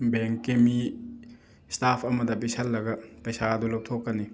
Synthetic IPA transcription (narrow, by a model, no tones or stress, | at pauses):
bɛŋkːemi | stapʰɐmɐd̪ɐbisɐlːɐɡɐpɐjsad̪ulɐwtʰokːɐni